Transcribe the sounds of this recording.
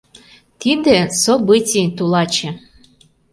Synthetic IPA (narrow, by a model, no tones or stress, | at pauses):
t̪id̪esobɨt͡sʲit̪ulɑt͡ɕe